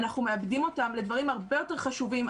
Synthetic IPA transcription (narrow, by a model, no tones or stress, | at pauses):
naχnumeabdimo̞tamle̞d̪vaʁimaʁbejo̞te̞ʁχaʃuvim